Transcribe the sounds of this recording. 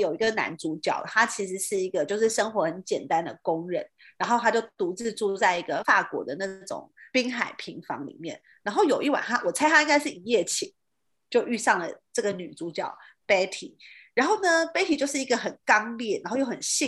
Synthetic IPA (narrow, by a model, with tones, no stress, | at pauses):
jo˨˩ʊi˧˥ɡə˧na̰˧˥nt͡su˧˥t͡ɕjɑ̰˥˨˩ʊt̪ʰa˥t͡ɕʰi˧˥ʂ̬ɻ̩˧˥ʂɻ̩˥˩i˧˥ɡə˧t͡ɕjo˥˧ʊʂɻ̩˥˩ʂə˥ŋxwɔ˧˥xə˧˦nt͡ɕjɛ˨˩nt̪a˦˥nd̪ə˨kʊ˥ŋɻə˧˥˦n | ɻa˧˥nxo˥˩ʊa˥t͡ɕjo˥˩ʊt̪u˧˥t͡sɻ̩˥˧ʈ͡ʂu˥˧t͡sa˥˩ɪi˧˥ɡə˧fa˥˩kwɔ̰˧˥d̪ə˨na˥˩ʈ͡ʂʊ̰˨˩˦ŋpi˥ŋxa˨˩ɪpʰi˧˥ŋfɑ̰˧˥ŋlḭ˨˩mjɛ̰˥˩n | a˧˥nxo˥˩ʊjo˨˩ʊi˥˩wa̰˨˩nta˥wɔ˨˩t͡sʰa˥ɪta˥i˥ŋɡa˥ɪʂ̬ɻ̩˥˩i˧˩jɛ˥˩t͡ɕʰi˨˩˦ŋ | t͡ɕjo˥˧ʊʔy˥˧sɑ˥˩ŋlə˩ʈ͡ʂɤ˥˩ɡə˩ny˨˩t͡su˧˥t͡ɕjɑ˥˩ʊ | pe˥t̪ʰi˨˩˦ɻa˧nxo˥˩ʊnə˩pe˥t̪ʰi˨t͡ɕjo˥˧ʂɻ̩˥˩i˧˥ɡə˧xə˨˩nkɑ˥ŋljɛ˥˩ɻa˧˥nxo˥˧ʊjo˥˩xə˨˩nɕi˥˧